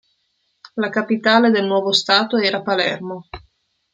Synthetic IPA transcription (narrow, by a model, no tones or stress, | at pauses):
lakapit̪aːled̪elnwɔːvost̪aːt̪oɛːɾapalɛrmo